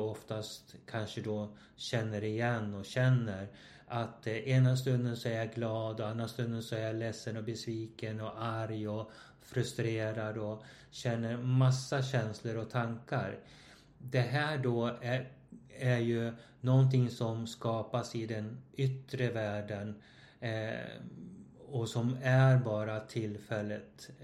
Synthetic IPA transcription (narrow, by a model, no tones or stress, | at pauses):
ɔft̪ast̪kʰanʂəd̪ɔ | ɕɛnːəɾɪjɛnːɔɕɛnːəɾ | ʔat̪eːnas̬t̪ɵnd̪ənsɔæɾjaɡlɑːd̪ɔand̪ɾast̪ɵnd̪ənsɔæɾjalɛsːənɔbɛsviːkənɔʔaɾjɔ | fɾɵst̪ɾeːɾad̪ɔ | ɕɛnːəɾmasːaɕɛnsləɾɔt̪ʰaŋkaɾ | d̪ɛɦæːɖoː | æɾjɵ | nɔnt̪ʰɪŋːsɔmskɑːpasɪd̪ɛnʏt̪ːɾəvæːɖən | ɔsɔmæɾbɑːɾat̪ʰɪlfɛlːət̪